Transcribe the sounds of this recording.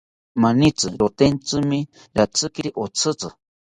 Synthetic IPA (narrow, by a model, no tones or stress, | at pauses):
manit͡sɨɾot̪ent͡sɨmĩ | ɾat͡sɨkiɾiʔot͡sʰɨt͡sɨ̰